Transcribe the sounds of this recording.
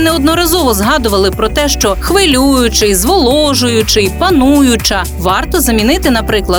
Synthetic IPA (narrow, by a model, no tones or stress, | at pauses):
nɛɔd̪nɔɾɐzɔʋɔzɦɑd̪ʊʋɐlˠɪpɾɔt̪ɛʃt͡ʃɔxʋɪlʲujʊt͡ʃɪjzʋɔlˠɔʒʊjʊt͡ʃɪjpɐnujʊt͡ʃɐ | ʋɑrt̪ɔzɐmʲinɪt̪ɪnɐpɾɪklˠɐ